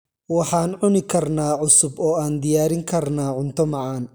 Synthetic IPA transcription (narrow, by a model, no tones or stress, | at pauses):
wɑħɑːnʕʊnɪkʰɐrnaːʕʊsʊbɔːaːnd̪ɪjaːɾɪŋkʰɐrnaːʕʊnt̪ʰɔmɑʕɑːn